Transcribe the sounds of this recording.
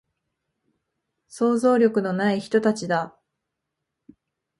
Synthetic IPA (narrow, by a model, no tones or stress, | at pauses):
so̞ːzo̞ːɾʲo̞kɯ̟no̞naiçi̥t̪o̞t̪at͡ɕid̪a